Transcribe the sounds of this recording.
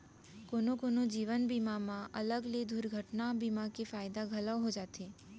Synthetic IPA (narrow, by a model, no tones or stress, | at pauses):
konokonod͡ʒiʋənbimamãʔələɡled̪ʱuɾɡʱəʈnabimakefajd̪aɡʱələʋɦod͡ʒat̪ʰe